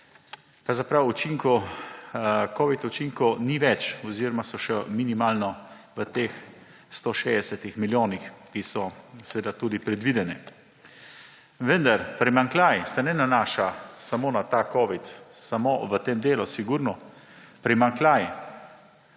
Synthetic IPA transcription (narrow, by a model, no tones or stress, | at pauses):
kɾawzapɾawut͡ʃiŋkɔ | kɔːʋit̪ut͡ʃiŋkɔniʋɛt͡ʃɔziɾɔmasɔʃɛminimaːlnɔ | ʋət̪eːx | st̪oʃeːd̪ɛsɛt̪ixmiljoːnixkisɔsɛʋed̪at̪uːd̪ipɾɛd̪ʋid̪ɛnɛ | ʋənd̪aɾpɾɛmaŋklʲajɛsɛnɛnanaːʃasamoːnat̪akɔːʋit̪samoʋət̪eːmd̪eːlɔsiɡuɾnɔ | pɾɛmaŋklaːjɛ